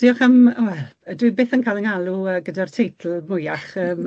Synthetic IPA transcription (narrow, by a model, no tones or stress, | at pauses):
d̥iːɔχəməwɛlˠədwɨbeːθənkʰaːlˠəŋalˠuəːɡədartʰejtʰl̩ˠmʊjaχəːm